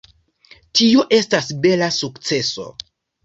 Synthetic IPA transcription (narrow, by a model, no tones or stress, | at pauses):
tio̞ʔe̞stasbe̞lasukt͡se̞so̞̰